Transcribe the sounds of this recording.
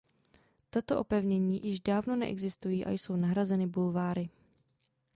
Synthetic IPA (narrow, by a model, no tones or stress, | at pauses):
t̪at̪oʔo̞pɛvɲɛɲiːjɪʒdaːvno̞nɛ̰ʔɛ̰ɡzɪst̪ujiːʔa̰jso̞wnaɦɾazɛnɪbulvaːɾɪ